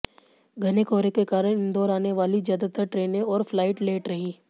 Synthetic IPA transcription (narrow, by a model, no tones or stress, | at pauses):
ɡʱɐnekɔːɾekekaːɾəɽɪ̃nd̪ɔːɾaːneʋaːlizjaːd̪at̪əɾʈɾeːnẽɔːɾflaːɪʈleːʈɾɐɦiː